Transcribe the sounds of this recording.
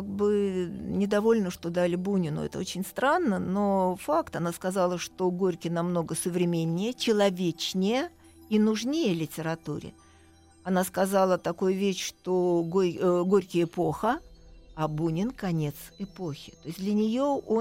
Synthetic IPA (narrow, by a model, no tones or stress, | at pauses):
k̚bɨnʲɪd̪ɐvo̞lʲnəʂt̪o̞d̪alʲɪbunʲɪnʊ̰ɛ̰t̪ə̰o̞t͡ɕɪnʲst̪ɾanːəno̞fakt̪ɐnaskɐzalˠəʂt̪oɡoɾʲkʲɪnɐmno̞ɡəsəvɾʲɪmʲenʲːɪjət͡ɕɪlˠɐvʲet͡ɕnʲɪjə | inʊʐnʲejəlʲɪtʲɪɾɐt̪uɾʲɪ̰ | ɐnaskɐzalˠət̪ɐkojʊvʲeɕʂt̪oɡoɡoɾʲkʲɪjɪpoxəɐbunʲɪnkɐnʲe̞t̪sɪpo̞xʲɪ̥t̪oɪsʲd̪lʲənʲɪjo̞o